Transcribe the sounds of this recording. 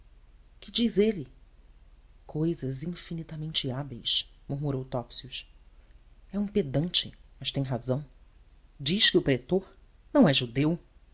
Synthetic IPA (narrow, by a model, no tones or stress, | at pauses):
kɪd͡ʒizelɪ | kʰojzɐzĩfinit̪amẽnt͡ʃɪabejsmuɾmuɾowt̪ɔpsiʊs | ɛũped̪ɐ̃nt͡ʃɪ̰mɐʃt̪ẽj̃ɦazɐ̃w̃ | d͡ʒiʃkɪʊpɾet̪oɾ | nɐ̃w̃ɛʒud̪ew